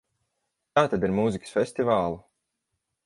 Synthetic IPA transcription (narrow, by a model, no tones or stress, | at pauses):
t̪aːt̪ad̪iɾmuːzikə̥sfʲesʲt̪ivaːlˠu